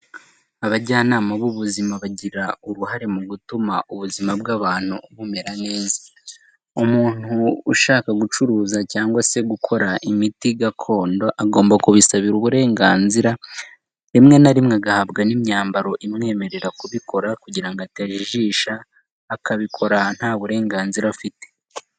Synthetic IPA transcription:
aβaɟaːnaːmaβuβuzimaβaɟiɾauɾuɦaɾe̞muɡutumauβuzimabɡaβaːn̥huβume̞ɾane̞ːza | umuːn̥huːʃaːkaɡut͡ʃuɾuːzacaːŋɡwase̞ɡukʰo̞ɾaʔimitiɡakʰo̞ːndo̞ʔaɡo̞ːmbakuβisaβiɾuβuɾe̞ːŋɡaːnziɾa | ɾimŋe̞naɾimŋeaɡahabɡanimɲaːmbaɾo̞ʔimŋe̞ːme̞ɾe̞ɾakuβikʰo̞ɾakuɟiɾaŋɡoataʒiʒiːʃaː | kaβikʰo̞ɾan̥haːβuɾe̞ːŋɡaːnziɾafite

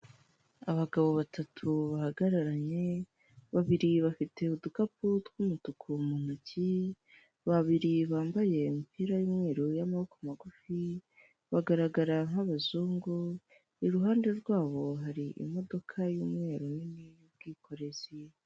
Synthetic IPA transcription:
aβaɡaβo̞βatʰatʰuβahaɡaɾaɾaɲe̞ | βaβiɾiβafite̞udukaputɡumutukʰumun̥uci | βaβiɾiβaːmbaje̞mipiːɾajuːmŋe̞ːɾojamahokamaɡufi | βaɡaɾaɡaɾaŋ̥haβazuːŋɡo | iɾuɦaːnde̞ɾɡwaːβo̞ɦaɾiʔḭmo̞do̞kʰajuːmŋe̞ːɾoninijub̚ɡiːkʰo̞ɾe̞zi

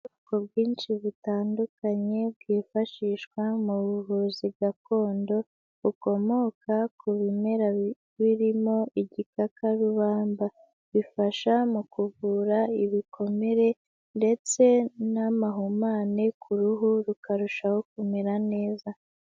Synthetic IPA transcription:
kob̚ɡiːnʃiβutaːndukaɲe̞b̚ɡiːfaʃiːʃkwamuβuβuziβɡako̞ːndo̞ | βuko̞mo̞kakuβime̞ɾa | βiɾimo̞iɟikakʰaɾuβaːmba | βifaʃamukuvuːɾaiβikʰo̞me̞ɾe̞ | nde̞t͡se̞namaɦumaːnekʰuɾuɦuɾukaɾuʃaho̞k̚umeɾane̞ːza

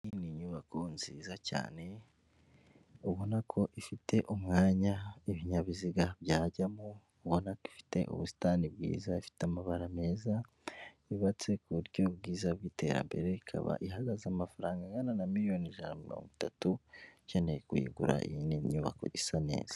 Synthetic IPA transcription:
iniɲuβakʰo̞nziːzaca̰ːne̞ | uβo̞nakʰo̞ʔifitʰe̞ʔumŋaːɲaiβiɲaβiziɡabɟaːɟamuː | βo̞naki̥fi̥te̞̰ʔṵβusi̥taːnibɡḭːzaifi̥teamaβaɾame̞ːza | iβat͡se̞kuuɾɟo̞bɡiːzabɡiːte̞ɾa̰mbe̞̰ɾe̞ikʰa̰βa̰ʔiɦaɡazamafaɾaːŋɡaŋɡananamiɾijo̞niʒanamilo̰ːŋɡutatucaneikuḭɡuɾa̰ḭiniɲuβa̰ko̞̰ɟisane̞̰ːz̥ḁ

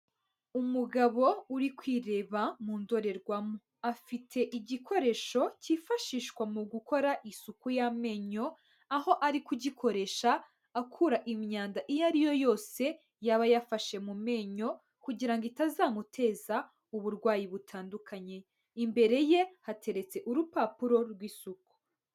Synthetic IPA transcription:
umuɡaβo̞uɾikwiːɾe̞ːβamuːndo̞ɾe̞ɾɡwamo | afitʰe̞ʔiɟikʰo̞ɾe̞ːʃo̞ciːfaʃiːʃkwamuɡuko̞ɾaʔisukujame̞ɲo̞ | aho̞ʔaɾikuɟikʰo̞ɾe̞ʃaː | kʰuɾaʔimɲaːndaʔijaɾijo̞jo̞ːse̞ | jaβajafaʃe̞mume̞ːɲo̞ | kuɟiɾaŋɡitazaːmutʰe̞ːza | uβuɾɡwaːjiβutʰaːndukʰaɲe̞ | imbe̞ɾe̞je̞hate̞ɾe̞t͡se̞ʔuɾupapuɾo̞ɾɡwiːsuku̥

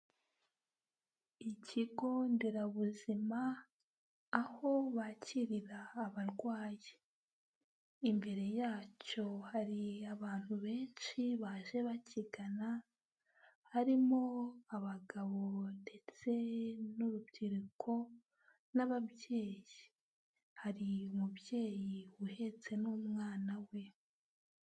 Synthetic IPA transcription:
iciɡo̞ndeɾaβuzimaː | ho̞βacʰiɾiɾaːβaɾɡwaːje | imbe̞ɾe̞jaːco̞haɾiaβaːn̥huβe̞ːnʃiβaːʒe̞βaciɡana | haɾimoaβaɡaβo̞de̞t͡se̞nuɾubtiɾikʰo̞ | naβabjeːji | haɾiumubje̞ːjiuhe̞t͡se̞numŋaːnawe̞

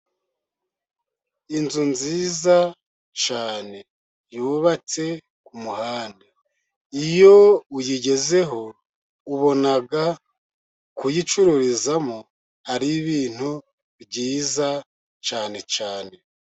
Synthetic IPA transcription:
inzunziːza | t͡ʃaːne̞ | juːβat͡se̞ | kumuhaːnde | ijo̞ujiɟe̞ze̞ɦo̞ | uβo̞naɡa | kujit͡ʃuɾuɾizamo | haɾiβiːn̥hu | βɟiːza | t͡ʃaːne̞t͡ʃaːne̞

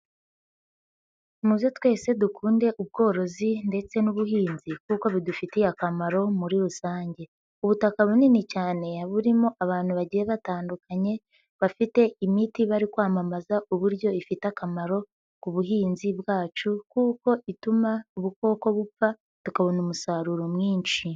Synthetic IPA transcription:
muβjo̞twe̞ːse̞dukʰuːnde̞ʔub̚ɡo̞ːɾo̞zinde̞t͡se̞nuβuɦiːnzikuko̞βidufitijakamaɾo̞muɾiɾusaːɲɟe̞ | uβutakaβuninicaːne̞aβuɾimo̞ʔaβaːn̥huβaɟije̞βataːndukʰaɲe̞ | βafite̞imitiβaɾikwaːmamazaʔuβuɾjo̞ifitakamaɾo̞ | kuβuɦiːnziβɡaːt͡ʃukuːko̞ʔitumauβuko̞ːko̞βufa | tukaβo̞numusaɾuɾo̞mŋiːnt͡ʃi

